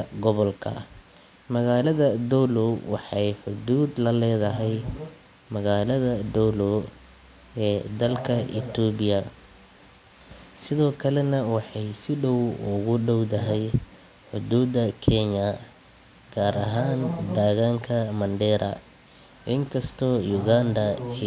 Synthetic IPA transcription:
ɡɔβɔlkʰɐ̰ | mɐɣaːlɐðɐd̪ɔlɔwɑħɑjħʊd̪uːd̪lɐlɛːðɐɦɛj | mɐɣaːlɐðɐd̪ɔlɔ | ɛːd̪ɐlkʰɐʔɪ̰t̪ʰɔbɪjɐ | sɪðɔːkʰɐlɛnɐwɑħɑjsɪɖɔwʊɣʊɖɔwt̪ɐɦɛj | ħʊd̪uːd̪ɐkʰɛɲɐ | ɡ̥aːɾɐɦaːnd̪aːɣaːŋkʰɐmɐnd̪ɛːɾʔɐ̰ | ʔɪŋkʰɐst̪ʰɔːjʊɣand̪ɐ

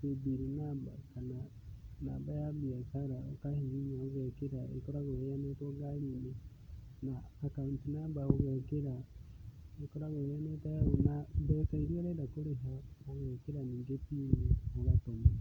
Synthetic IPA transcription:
ebiɾinaba̰kana | na̰bajabiakaɾaokahiɲiɲaoɣɛkeɾaḛkɔɾaɣeeanetoɡaɾine | naːkauntunabaoɣɛkeɾa | ekɔɾaɣeɾanetajaɣonabɛkaiɾiaɾɛɾakoɾeɦaoɣɛkeɾaniːŋɡepiːɲehoɣatoɲi

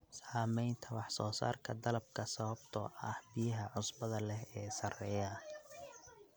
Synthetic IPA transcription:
saːmɛjnt̪ʰɐwɑħsɔːsa̰ːrkʰɐd̪ɐlɐb̚kʰɐsɐβɐbt̪ʰɔ̰ːʔɐ̰hbɪjɐɦɐʕʊsbɐðɐlɛhɛːsɐrɛːjɐ

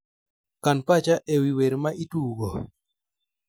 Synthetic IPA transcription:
kanpat͡ʃaʔewiweɾmaʔituɡo

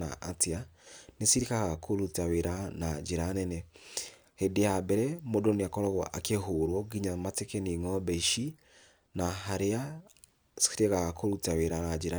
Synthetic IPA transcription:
a̰ʔatianesiɾikaɣakʰoɾutaweɾanad͡ʒeɾanɛnɛ | hedeabɛɾɛmodoneakɔɾɔɣwa̰ʔakeɦoɾwɔɡiɲamatekeniŋɔbɛʃi | naɦaɾea | si̥iɾeɣaɣakʰoɾutaweɾanad͡ʒeɾa

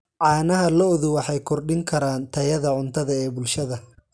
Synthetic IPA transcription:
ʕɑːnɐɦɐlɔðʊwɑħɑjkʰɔrɖɪŋkʰɐɾaːnt̪ʰɐjɐðɐʕʊnt̪ʰɐðɐɛːbʊlʃɐðɐ

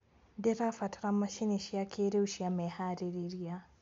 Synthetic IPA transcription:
deɾafatɾamːaʃineʃijakʰeɾewʃiamɛhaɾiɾiɾia

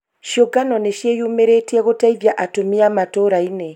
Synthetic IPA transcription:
ʃjoɡanɔneʃjejumeɾetɛɣotaiðjaʔatomiamatoɾaine

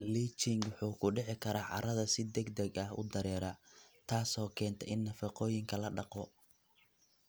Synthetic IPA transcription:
liːt͡ʃɪŋwʊħuːkʰʊɖɪʕɪkʰɐɾaːʕɑ̰ɾɐðɐsɪd̪ɛɡd̪ɛɡɐɦʊ̰d̪ɐɾɛːɾat̪ʰaːsɔːkʰɛːnt̪ʰɐʔɪnːɐfɑqɔːjɪŋkʰɐlɐɖɑqɔ

